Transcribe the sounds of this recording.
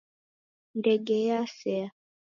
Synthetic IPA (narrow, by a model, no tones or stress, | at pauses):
ndɛɡɛjasɛa